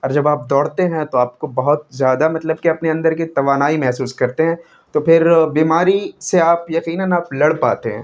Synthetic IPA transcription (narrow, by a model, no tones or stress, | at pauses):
ɔːɾd͡ʒɐbaːp̚d̪ɔːɽt̪eɦɛ̃t̪oaːp̚kobɐɦʊt̪̚zjaːd̪amɐt̪ləb̚keɐpneɐ̃nd̪əɾkit̪ɐʋaːnaːimɛɦsuːskɐɾt̪eɦɛ̃ː | t̪opʰɪɾbiːmaːɾiseaːpjɐqiːnənaːplɐɽpa̰ːt̪eɦɛ̰̃ː